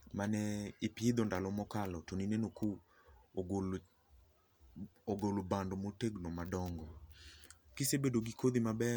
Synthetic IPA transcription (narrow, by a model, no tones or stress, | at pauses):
manɛɪpɪid̪ɔndalɔmɔkalɔtoninenoku | l | oɡolobandɔmoteɡnomadɔŋɡɔ | kisebedoɡikod̪imabɛ